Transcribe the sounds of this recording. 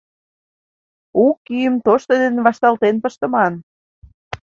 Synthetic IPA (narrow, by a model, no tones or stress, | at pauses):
ukːyjəmt̪oʃt̪od̪enβɑʃt̪ɑlt̪enpə̆ʃt̪ə̆mɑn